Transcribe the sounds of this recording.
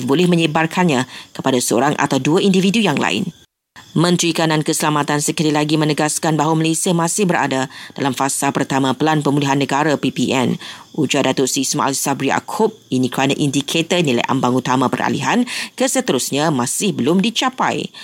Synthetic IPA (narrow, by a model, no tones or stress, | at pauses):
bolɛhmə̃ɲəbarkʰanɲãkəpadasəo̰ɾaŋʔa̰t̪awduaʔindividujaŋla̰ɪ̰n | mə̃nt̪ɾikanãnkəsəlamat̪ansəkəlilaɡimə̃nəɡaskanbaɦwaməlesiamãsɪhbəɾa̰dad̥a̰lamfasapərt̪amãpəlanpəmuliɦanːəɡaɾapipiʔɛ̰nʔud͡ʒadat̪ʊʔsisma̰ʔa̰lsabɾia̰kʰʊp̚inikəɾanəʔindikʰet̪ərnila̰jʔa̰mbaŋut̪amãpə̰ra̰lḭɦankəsət̪əɾusɲãmãsɪhbəlʊmdit͡ʃapa̰j